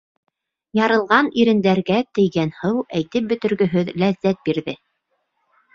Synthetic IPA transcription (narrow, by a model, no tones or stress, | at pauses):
jɑɾɤ̆lˠʁɑniɾɘ̆nd̪æɾɡæt̪ɘ̆jɡænhɤwæjt̪ɘp̚bɵ̆t̪ɵ̆ɾɡɵ̆ɦɵðlæðːæt̪̚biɾðɘ